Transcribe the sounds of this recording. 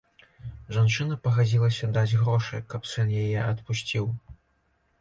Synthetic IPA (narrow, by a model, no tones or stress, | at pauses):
ʐant͡ʂɨnɐpɐɣad͡zʲilˠɐsʲɐd̪ad͡zʲɣɾɔʂɐ̰jkɐpsɛnjajɛʔɐt̪pusʲt͡sʲiw